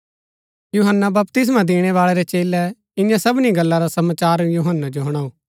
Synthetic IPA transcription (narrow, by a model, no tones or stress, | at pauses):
juɦənːabɐpt̪ɪs̬mãd̪eːɽ̃ɛʋaːɭeɾɛt͡ʃeːlɛ | ɪ̃jãsɐbniɡɐlːaɾasɐmaːt͡ʃaːɾjuɦənːad͡ʒoɦɐɽ̃aːuː